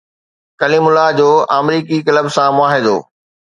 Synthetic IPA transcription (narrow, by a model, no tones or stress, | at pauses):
kɐliːmʊlad͡ʑoːaːmɾiːkikɐləbsãmʊaːɦɪd̪o̰ː